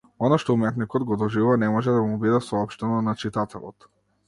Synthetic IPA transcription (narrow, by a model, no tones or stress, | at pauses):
ɔnaʃt̪ɔumɛt̪nikɔd̪ɡɔd̪ɔʒivuvanɛmɔʒɛd̪amubid̪asɔɔpʃt̪ɛnɔnat͡ʃit̪at̪ʰɛ̰lˠɔ̰t̪